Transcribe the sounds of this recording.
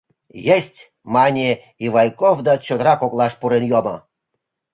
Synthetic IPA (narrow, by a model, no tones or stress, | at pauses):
jesʲtʲ | mɑnʲe | iβɑjkovd̪ɑt͡ɕod̪əɾɑkoklˠɑʃpuɾenjomə